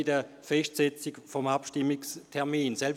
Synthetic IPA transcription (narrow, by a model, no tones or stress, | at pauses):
ɪdə | fɛʃtsɛt͡sikfɔmapʃtɪmɪkstʰɛɐʁmiːnsɛl